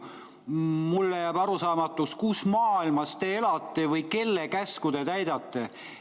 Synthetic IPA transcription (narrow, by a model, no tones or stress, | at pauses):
mulːejæːb̥ɑɾusɑːmɑt̪ːˑuskusmɑːilmɑst̪e̞elɑt̪ːˑivɤjke̞lːekæskud̪̥e̞t̪æjd̪̥ɑt̪ːˑe